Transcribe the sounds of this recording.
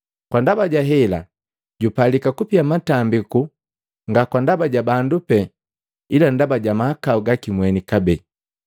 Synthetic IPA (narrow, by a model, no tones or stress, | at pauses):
kwandabaɟaɦɛla̰ | ɟupalikakupiamatambiku | ŋɡakwandabaɟabandupɛ | ilandabaɟamahakauɡakimwɛnikabɛ